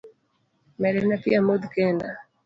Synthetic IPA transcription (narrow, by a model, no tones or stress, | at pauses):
mɛɾɛnapiamod̪kɛnda